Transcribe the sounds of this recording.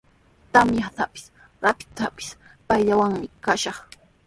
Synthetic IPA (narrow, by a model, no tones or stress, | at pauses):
t̪amjat̪apɪ̥s | ɾapɪ̥t̪apɪ̥s | pajʎawaŋmɪkaʃɑχ